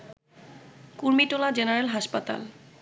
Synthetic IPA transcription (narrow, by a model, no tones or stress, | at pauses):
kuɾmiʈolad͡ʑenaɾelɦaʃpat̪a̰l